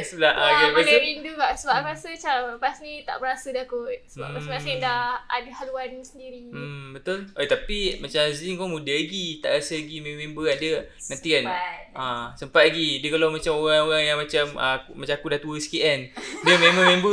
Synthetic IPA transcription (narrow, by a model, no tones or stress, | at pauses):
slaʔaɡaaslaɾinduɡaʔsəbaʔəɾasət͡ʃampasnĩt̪a̰ʔbəɾasədakʊt̪̚səba̰ʔmasasedahadəhaluansəndiɾimbət̪ʊlat̪apimat͡ʃamziŋkɔmudalaɡit̪a̰ʔɾasəlaɡimẽmẽmbəandəənãnt̪ikanʔasəmpat̪̚laɡidiəkalawmat͡ʃamoɣaŋoɣaŋjaŋmãt͡ʃamʔa̰mat͡ʃakudaht̪uəsi̥kiʔandiəmẽmãmẽmbə